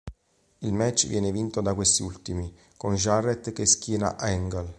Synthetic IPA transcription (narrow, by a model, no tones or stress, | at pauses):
ilmɛt͡ʃːvjɛːnevint̪od̪akwest̪iult̪imi | konʒaret̪keskiːna̰ʔɛŋɡal